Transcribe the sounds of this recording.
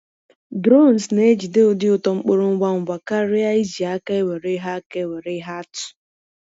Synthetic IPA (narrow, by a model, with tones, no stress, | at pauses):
dɾo˦˨n˨sne˦d͡ʒi˨dɪ˦ʊ˨dɪ˦ʊ˨tɔ˨ŋ͡m̩˦k͡po˦ɾo˦ŋ̩˦ɡʷa˦ŋ̩˨ɡʷa˨ka˦ɾɪ˦a˦i˦d͡ʒi˨a˦ka˦e˦we˨ɾe˦ɦa˦ke˦we˨ɾe˦ɦa˦tʊ̥˨